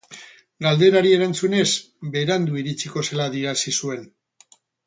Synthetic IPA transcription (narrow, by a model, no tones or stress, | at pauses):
ɡald̪e̞ɾaɾie̞ɾant͡sune̞s | be̞ɾand̪uiɾit͡siko̞selaðiɾasisue̞n